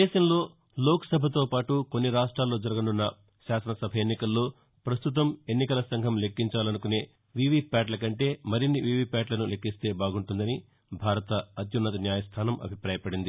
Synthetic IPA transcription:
d̪ɛːʃɐmlo̞ː | loːkɐ̥sɐbʱɐt̪̬o̞ːpaːʈuko̞nːiɾaːʂʈɾaːlːo̞ːd͡ʒɐɾɐɡɐnunːɐ | ʃaːsɐnɐsɐbʱɐjenːikɐlːo̞ː | pɾɐst̪ut̪̬ɐme̞nːikɐlɐsɐŋɡʱɐmle̞kːiɲt͡ʃaːlɐnukune̞ː | ʋiːʋipʲaːʈlɐkɐɳʈe̞ːmɐɾinːiʋiːʋipʲaːʈlɐnulekːist̪e̞ːbaːɡuɳʈund̪ɐni | bʱaːɾɐt̪ɐːd̪junːɐt̪ɐnjaːjɐst̪ʰaːnɐmʔɐ̰bʱipɾaːjɐpɐɽind̪i

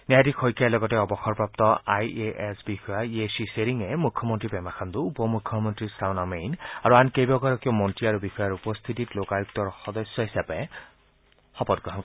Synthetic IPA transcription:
niajdikʰɔjkalɔɡɔtɛɔbɔxɔɹpɹap̚tɔajeʔɛsbixɔjaiesiseɹiŋɛmukʰːɔmɔntɹibɛmaxʰand̪uupɔmukʰːɔmɔntɹisawnamejnaɹuankejbɔɡaɹɔkiɔmɔntɹiaɹubixɔjaɹupɔst̪ʰititlokajuk̚tɔɹxɔdɔsjɔɦisapɛ | xɔpɔtɡɹɔɦɔn

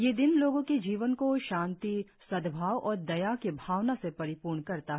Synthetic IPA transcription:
jeːd̪ɪnloːɡõked͡ʒiːʋənkoʃãːnt̪i | sɐd̪bʱaːwɔːɾd̪ɐjakebʱaːʋnasepɐɾɪpuːɾɳkɐɾt̪aɦɛ

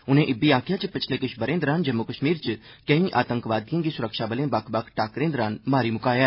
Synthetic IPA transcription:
ʊnẽːʔɪbiːaːkʰjaːt͡ʃpɪt͡ʃʰleːkɪʃbəɾẽːnd̪ɾaːnd͡ʒɐmːʊkəʃmiːɾt͡ʃə | kəĩːʔaːt̪ə̃ŋkʋaːd̪jãːɡiːsʊɾəkʃaːbəlẽːbɐkʰbəkʰʈaːkɾẽːnd̪ɾaːnmaːɾiːmʊkaːjaː

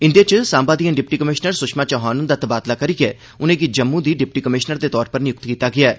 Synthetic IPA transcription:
ɪnd̪eːt͡ʃsãːmbaːd̪ijaːɖɪp̚ʈiːkəmɪʃnəɾsʊʃmãːt͡ʃɔɦaːnənd̪aːt̪əbaːd̪laːkəɾiɡɛː | ʊnẽːɡid͡ʒəmːũːd̪iːɖɪp̚ʈiːkəmɪʃnəɾd̪eːt̪ɔːɾpəɾnɪjʊk̚t̪kiːt̪aːɡɪaːɛː

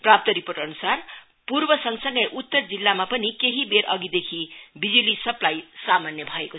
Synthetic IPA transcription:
prap̚t̪ʌɾiporʈʌnusar | purbʌsʌŋsʌŋɡʌjʔut̪ːʌrd͡zilːamapʌnikeɦibeɾʔʌɡid̪ekʰibid͡zulisʌplajsamanjʌbʱʌeko

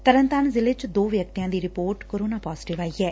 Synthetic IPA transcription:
t̪əɾənt̪aːnzɪlɪt͡ʃd̪oːʋjək̚t̪ijãːd̪iːɾɪpoːɾʈkoːɾoːnaːpɔːzɪ̥ʈɪʋaːiɛː

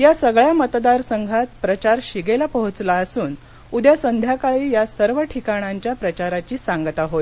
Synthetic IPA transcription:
jasəɡɭjamət̪d̪aɾsəŋɡʱat̪̚pɾət͡ɕaɾɕiɡelapəɦut͡slaəsuːn | ud̪jasənd̪ʱjakaɭiːjasəɾʋəʈʰikaɽ̃aɲt͡ɕjapɾət͡ɕaɾat͡ɕiːsaŋɡt̪aɦoj

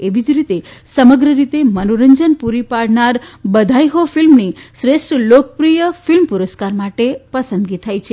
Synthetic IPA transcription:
eʋid͡ʒɾit̪esəməɡɾəɾit̪emənoɾəɲd͡ʒənpuɾipaɽnaɾbəd̪ʱajɦofilmniʃɾeʃʈlokəpɾijəfilmpuɾəskaɾmaʈepəsənd̪ɡit̪ʰajt͡ʃʰe

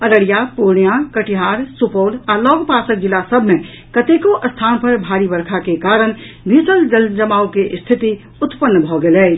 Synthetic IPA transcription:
əɾəɽijapoɾɳijakəʈiɦaɾsupoːlalɔɡpasək̚d͡ʒilːasəbʱmẽ | kət̪ekoʔəst̪ʰanpəɾbʱaɾibəɾkʰakekaɾəñ | bʱisəld͡ʒəld͡ʒəmaukeʔst̪ʰit̪i | ʊt̪pənːbʱɔɡelɛːt͡ʃ

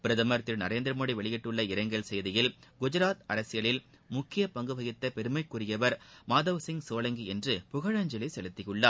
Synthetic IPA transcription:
pɪɾɐðɐmɐɾɐt̪ːɪlnɐɾeːnd̪ɪɾɐmoːɽiʋɛɭɪɣɪʈːɯɭːɐɪɾɐɪŋɡɐɭsɛjðɪjɪlɡʊd͡ʒɐɾaːt̪ɐɾɐsɪjɐɭɪl | mʊkːɪjɐpɐŋɡɯʋɐɣɪt̪ːɐpɛɾɯmɐɪkːʊɾɪjɐʋɐɾmaːðɐʋsɪŋɡsoːlɐŋɡiɛndrɯpʊɣɐɻɐɲd͡ʒɐlɪsɛlɯt̪ːɪjɯɭːaː

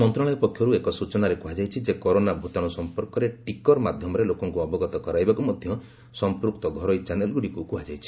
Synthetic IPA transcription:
mɔnt̪ɾɔɭ̃ɔjpɔkʰjɔɾuekɔsut͡ʃɔnaɾekuɦad͡ʒajt͡ʃʰid͡ʒekɔɾonabʱut̪aɽ̃ɔsɔmpɔɾkɔɾeʈikɔɾmad̪ʱjɔmɔɾelokɔŋkuɔbɔɡɔt̪ɔkɔɾajbakumɔd̪ʱjɔ | sɔmpɾuk̚t̪ɔɡʱɔɾɔjt͡ʃanelɡuɽikukuɦad͡ʒajt͡ʃʰi̥

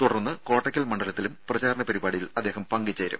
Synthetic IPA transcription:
t̪uɽɐrnːɨko̞ːʈːɐkʲːɐlmɐɳɖɐlɐt̪ːilumprɐd͡ʑaːɾɐɳɐpɐɾibaːɽijilɐd̪ːeːɦɐmpɐŋɡit͡ɕːɐːɾṵm

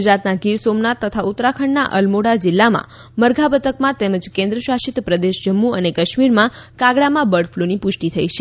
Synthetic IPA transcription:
d͡ʒɾat̪naɡiɾsomnat̪ːət̪ʰaut̪ːɾakʰəɳna̰ʔəlmoɽad͡ʒɪlːamã̰ | məɾɡʱabət̪ʰəkmãt̪ɛməd͡ʒkẽnd̪ɾəʃaʃit̪pɾəd̪eʃd͡ʒəmːuənekəʃmiɾmãkaɡɭamãbəɽfʰlunipʊʃʈit̪ʰəiʃe

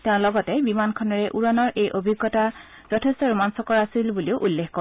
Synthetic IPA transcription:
tẽʊ̃lɔɡɔtɛbimankʰɔnɔɹɛʔuɹɔnɔɹʔejʔobʱiɡːɔta | z̥ɔtʰestɔɹumansɔkɔɹasilbuliʊʔulːexkɔ

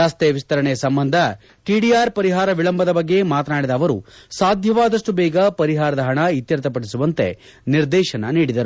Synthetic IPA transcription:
aːst̪eɐʋist̪ɐɾɐɳejɐsɐmbɐnd̪ʱɐ | ʈiɖiaːɾpɐɾiɦaːɾɐʋiɭɐmbʱɐd̪ɐbɐɡːe̞maːt̪ɐnaːɽid̪ɐːʋɐɾṵsaːd̪ʱjɐʋaːd̪ɐʂʈubɛːɡɐpɐɾiɦaːɾɐd̪ɐɦɐɳɐit̪jɐɾt̪ɐp̬ɐɽisuʋɐnt̪e̞̰ | niɾd̪ɛːʃɐnɐniːɽid̪ɐɾu

